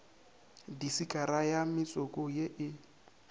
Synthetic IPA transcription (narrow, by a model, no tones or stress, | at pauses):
disikʼaɾajamɪt͡sʼɔkʼɔjeʔɪ